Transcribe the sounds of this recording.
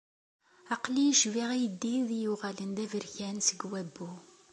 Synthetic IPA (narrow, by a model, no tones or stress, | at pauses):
ɑqlijiʃviʁæjəd̪ːiðijuʁælənd̪ævəɾçænsəɡwæbːu